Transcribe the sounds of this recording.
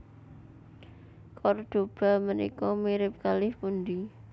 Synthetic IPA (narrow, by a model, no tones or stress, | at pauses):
kʰɔrd̪̥o̤b̥a̤mənḭkɔmiɾɪp̚kalɪhpund̪i